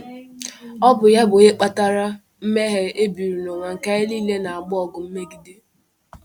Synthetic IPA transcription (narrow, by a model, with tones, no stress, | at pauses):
ɔ˦bʊ˨ja˦bʊ˨e˦k͡pa˦ta˦ɾa˦ | m̩˦me˦ɦe˦e˦bi˨ɾu˨no˨ŋʷa˨ŋ̩˨ka˦ɪ˦liː˦le˦na˨a˨ɡ͡bʊ˦ɔ˨ɡʊ˨m̩˦me˦ɡi˨di˦